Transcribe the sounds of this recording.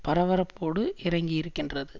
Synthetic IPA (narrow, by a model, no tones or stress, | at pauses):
pɐɾɐʋɐɾɐpːoːɽɯʔɪɾɐŋɡijɪɾɯkːɪndrɐðɯ